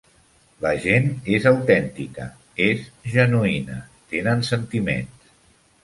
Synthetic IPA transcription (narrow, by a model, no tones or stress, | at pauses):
ləʒenezəwt̪ɛnt̪ikə̰ | ezʒənuinə̰t̪enənsənt̪imḛns